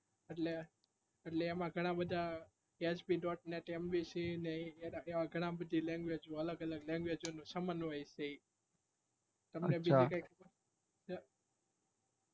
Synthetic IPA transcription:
əʈle | əʈleːmãɡʱəɽ̃ãbəd̪ʱa | et͡ʃbiɖɔʈ̚neʈemʋisineaeʋãɡʱəɽ̃ãbəd̪ʱilɛ̃ŋɡʋed͡ʒoələɡələɡlɛ̃ŋɡʋed͡ʒonũsəmənʋəjse | t̪əmnebid͡ʒikajkʰubə

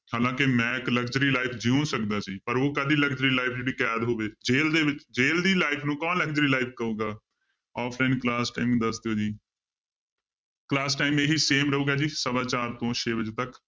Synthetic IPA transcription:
haːlãːkɪmɛ̃ːkləkd͡ʒəɾiːlaːɪpʰd͡ʒiuːnsəkd̪aːsiːpəɾoːkəd̪iːləkd͡ʒɾiːlaːɪpʰd͡ʒeɽiːkɛːd̪ɦoːʋeːd͡ʒeːld̪eːʋɪt͡ʃd͡ʒeːld̪iːlaːɪpʰnũːkɔ̃ːlək̚d͡ʒɾiːlaːɪpʰkəũːɡaː | aːpʰlaːɪnklaːsʈaːɪmd̪əsd̪eoːd͡ʒiː | klaːsʈaːimeɦiːseːmɾəɦuːɡaːd͡ʒiːsəbãːt͡ʃaːɾt̪õːʃʰeːbəd͡ʒeːt̪ək

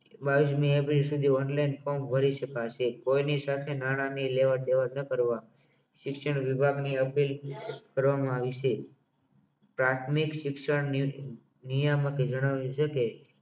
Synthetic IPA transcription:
baʋismĩepɾilsud̪ʱiɔnlainfɔmbʱəɾiʃəkaʃekoinisat̪ʰenaɽ̃anileʋaɾd̪eʋanəkəɾʋa | ʃɪkʃəɳ̃ʋibʱaɡniəpilkəɾʋamãaʋiʃe | pɾat̪ʰmikʃɪkʃəɳ | nijaməked͡ʒəɽ̃aʋĩʃəke

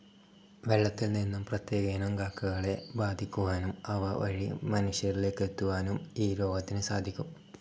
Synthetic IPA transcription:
ʋe̞ɭːɐt̪ːilninːumprɐt̪je̞ːɡɐnɐŋɡaːkːɐɣɐɭe̞baːd̪ʱikʲːuʋaːnumɐʋɐʋɐ̰ɻimɐnuɕjɐrile̞ːkːet̪ːuʋaːnumiːɾo̞ːɡɐt̪ːinɨsaːd̪ʱikʲːum

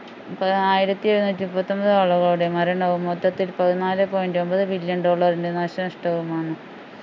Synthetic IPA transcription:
pɐaːjiɾɐt̪ːiiɾɐnuːt̪ʲːimupːɐt̪ːombɐðɨd̪oːɭːɐrɣɐɭuɽe̞mɐɾɐɳɖɐʋumːod̪ːɐt̪ːilpɐðinaːlɨpo̞ːjindo̞mbɐðɨbiljɐnɖo̞ːɭːɐrinde̞naːɕɐnɐʂʈɐʋumaːɳɨ

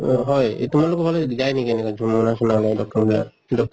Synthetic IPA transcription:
ɦɔjtumaɹlʊkɔbʱalɔd͡ʒajnikenɛkad͡ʒʱumːɔnasɔnanajdɔk̚tɔɹba̰ | dɔk̚

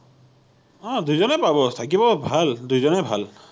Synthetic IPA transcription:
ɔ̃d̪ujzɔnɛpabɔt̪ʰak̬ibɔbʱald̪ujzɔnɛbʱal

